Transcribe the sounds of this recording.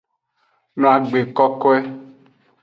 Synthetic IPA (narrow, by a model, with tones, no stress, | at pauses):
nɔ̃˨a˨ɡ͡be˨kɔ˦kɔ˦ɛ˦